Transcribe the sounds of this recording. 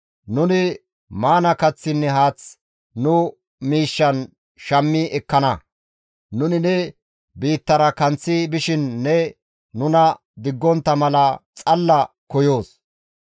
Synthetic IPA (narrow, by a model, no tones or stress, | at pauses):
nʊnɪ | maːnɐkɐt͡sːɪnːɛɦaːt͡s | nʊ | miːʃːɐn | ʃɐmːɪʔɛkːɐnɐ | nʊnɪnɛ | biːt̪ːɐɾɐkɐnt͡sːɪbɪʃɪnːɛ | nʊnɐ | d̪ɪɡːɔnt̪ːɐmɐlɐt͡sʼɐlːɐ | kɔjo̞ːs